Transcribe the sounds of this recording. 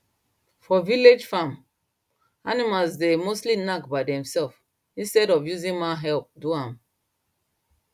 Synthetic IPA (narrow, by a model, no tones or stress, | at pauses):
fɔviled͡ʒfãm | animalzdemostlinakbaɪdɛ̃msɛlf | ĩnstɛɾɔfjuzĩnmaɦɛlp̚duãm